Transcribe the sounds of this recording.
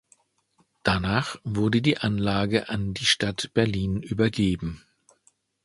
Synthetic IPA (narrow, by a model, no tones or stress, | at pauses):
d̥anaːχv̥ʊɐdədiːʔanlaːɡəʔandiːʃtatb̥ɛɐliːnʔyːbɐɡeːbm̩